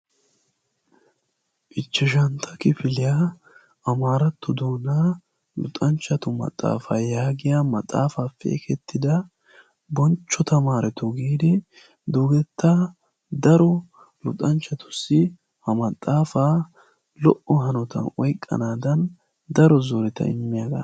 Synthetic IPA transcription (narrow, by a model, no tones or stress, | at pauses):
ʔɪt͡ʃːɪʃ̬ɐnt̪ʰɐkɪfɪlɪja | ɐmaːɾɐt̪ːʊd̪oːnaː | lʊ̰t̪ʼɐnt͡ʃːɐt̪ʊmɐ̰t̪ʼːa̰ːfaːjaːɡɪjaːmɐt̪ʼːa̰ːfaːfḛːkʰɛt̪ːɪd̪ɐ | bɔnt͡ʃːɔt̪ɐmaːɾɛt̪ɔɡiːd̪ɪ | d̪uːɡɛt̪ːa | d̪ɐɾɔ | lʊt̪ʼɐnt͡ʃːɐt̪ʊ̥sːɪ | hɐmɐt̪ʼːaːfaː | lɔʔɔɦɐnɔt̪ɐ̰nɔjkʼːɐ̰naːd̪ɐn | d̪ɐɾɔzoːɾɛt̪ɐ̰ɪmːɪjaɡɐ̰